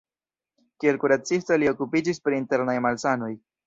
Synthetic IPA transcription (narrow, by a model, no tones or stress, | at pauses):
kie̞lkuɾat͡sisto̞lio̞kupid͡ʒispɾiːnte̞ɾnajmalsano̞j